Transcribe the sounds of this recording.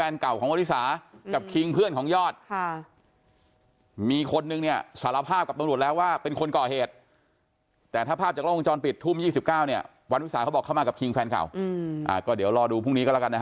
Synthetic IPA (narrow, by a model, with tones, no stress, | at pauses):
ɛː˧nka˨˩wkʰɔː˩˦ŋwnwi˦˥saː˩˦ka˨˩pkʰi˧ŋpʰɯ˥˩ənkʰɔː˩˦ŋjɔː˥˩t̪̚ʰ | miː˧kʰo˧nːɯ˧ŋni˥˩ɐsaː˨˩˦la˦˧˥pʰːaː˥˩p̚ka˨˩t̪a˧mɾu˨˩ə˩t̪̚lɛː˦˥waː˥˩pe˧nkʰo˧nkɔː˨˩heː˨˩t̪̚ | ɛː˨˩t̪ʰaː˥˩pʰaː˥˩p̚t͡ɕaː˨˩lŋt͡ɕɔː˧npi˨˩t̪ʰːuː˥˩mjiː˥˩si˨˩p̚kaː˥˩wni˥˩ɐ | wa˧nwsaː˩˦kʰa˦˥bɔː˨˩kʰːa˥˩maː˧ka˨˩pkʰi˧ŋfɛː˧nka̰˨˩wʔa̰ː˨˩kɔː˥˩diː˨˩˦əwɾɔː˧duː˧pʰu˥˩ni˦˥kɔː˥˩lka˧nːa˦˥˦